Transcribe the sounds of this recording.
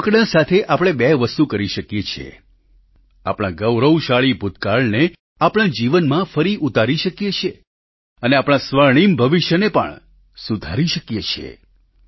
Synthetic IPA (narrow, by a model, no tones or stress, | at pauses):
kɽãsat̪ʰeʔapɽ̃ebɛʋəst̪ukəɾiʃəkjet͡ʃʰḛ | a̰pɽ̃ã̰ɡəʋɾəwʃaɭibʱud̪ʱkaɭne | apɽ̃ãd͡ʒiʋənmãfəɾiʔut̪aɾiʃəkjet͡ʃʰe | əneapɽ̃ãsʋəɾɳ̃imbʱəʋiʃjənepə̰ɳ | sud̪ʱaɾiʃəkjet͡ʃʰḛ